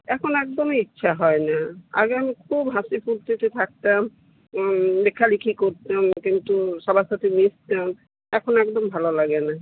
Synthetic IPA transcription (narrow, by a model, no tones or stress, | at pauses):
ɛkʰonɛkd̪omeitːɕʰaɦɔenaa̰ɡeamikʰubɦasipuɾt̪it̪et̪ʰak̚t̪am | bekʰːalikʰikoɾt̪amkint̪uʃabaʃat̪ʰinist̪am | ɛkʰonɛkd̪ombʱalolaɡena